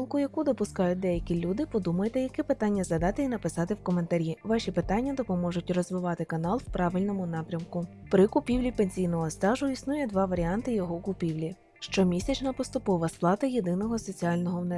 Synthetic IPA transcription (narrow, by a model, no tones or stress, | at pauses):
lˠkʊjɐkud̪ɔpʊskɑjʊt̚ʲd̪ɛjɐkʲilʲud̪ɪpɔd̪umɐjet̪ɛjɐkɛpɪt̪ɑnʲːɐzɐd̪ɑt̪ɪinɐpɪsɑt̪ɪwkɔme̞nt̪ɐɾʲiʋɑʃʲipɪt̪ɑnʲːɐd̪ɔpɔmɔʒʊt̚ʲrɔzʋɪʋɑt̪ɪkɐnɑlˠwpɾɑʋɪlʲnɔmʊnɑpɾʲɐmkʊ | pɾɪkʊpʲiwlʲipenʲsʲijnɔɦɔst̪ɑʒʊisnujɛd̪ʋɑʋɐɾʲiɑnt̪ɪjɔɦɔkʊpʲiʋlʲi | ʃt͡ʃɔmʲisʲɐt͡ʃnɐpɔst̪ʊpɔʋɐsplˠɑt̪ɐjed̪ɪnɔɦɔsɔt͡sʲiɑlʲnɔɦɔwnɛ